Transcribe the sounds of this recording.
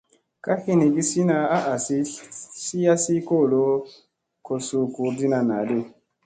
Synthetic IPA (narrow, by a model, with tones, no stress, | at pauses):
ka˦hi˦ni˨bi˦si˦na˧a˦ʔa˨si˦si˦ja˦si˦ko˦˨lo˦ | ko˨su˦ku˨˦ɾdi˦na˨na̰˨le˦˨